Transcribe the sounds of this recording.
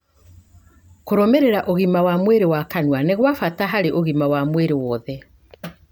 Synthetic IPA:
koɾɔmɛɾeɾaʔoɣimawamweɾewakanwaneɣwafataɦaɾeʔoɣimawamweɾewɔðɛ

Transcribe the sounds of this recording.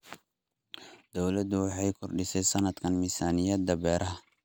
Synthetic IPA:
d̪̥ɔwlɐd̪ʊwɑħɑjkʰɔrɖɪsɛjsɐnɐd̪kʰɐnmisaːnɪjɐd̪ɐbɛːɾʔɐɦɐ

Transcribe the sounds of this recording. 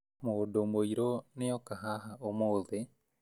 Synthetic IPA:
moːdomoiɾoneɔkaɦaɦaomoːðe

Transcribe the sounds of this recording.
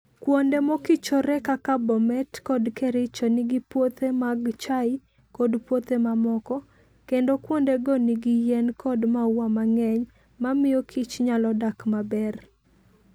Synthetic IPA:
kwondemokit͡ʃɔɾɛkakabɔmɛtkɔdkɛɾɪt͡ʃɔnɪɡɪpwot̪emaɡt͡ʃaɪ | kɔdpwot̪emamɔkɔ | kendokwondeɡɔniɡɪjɛnkɔdmawwamaŋɛɲ | mamɪjokʰɪt͡ʃɲalɔdakmabɛr

